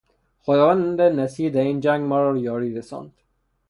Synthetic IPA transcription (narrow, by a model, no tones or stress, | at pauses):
xod̪ɒːvand̪enæsiːd̪æɾiːnd͡ʒæŋɡmaɾɔjɒːɾiːɾesɒ̰nd̪̥